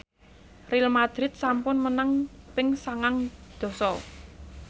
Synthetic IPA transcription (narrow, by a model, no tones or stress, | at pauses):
rilmad̪̥ɾɪt̪̚sampʊnmənaŋpɪŋsaŋaŋd̪̥ɔ̤sɔ